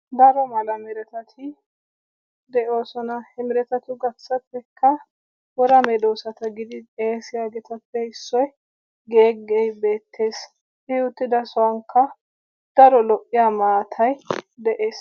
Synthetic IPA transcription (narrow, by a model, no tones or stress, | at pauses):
d̪ɐɾɔmɐlɐmɛɾɛt̪ɐt̪ʰɪ | d̪ɛʔo̞ːsɔnɐhɛmɪɾɛt̪ɐt̪ʊɡɐt͡sːɐpːɛkʰːɐ | wɔɾɐmɛd̪oːsɐt̪ɐɡɪd̪ɪeːsɪjaɡɛt̪ɐpːɛɪsːɔj | ɡeːɡejbe̞ːt̪ʰːe̞ːs | hɪʊt̪ːɪd̪ɐsɔwɐŋkʰːɐ | d̪̥ɐɾɔlɔʔːɪjamaːt̪ʰɐjd̪ɛʔeːs